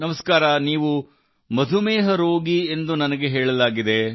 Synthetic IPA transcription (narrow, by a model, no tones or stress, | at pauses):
nɐmɐskaːɾɐniːʋu | mɐd̪ʱumeːɦɐɾoːɡiend̪unɐnɐɡe̞ɦeːɭɐlaːɡid̪e̞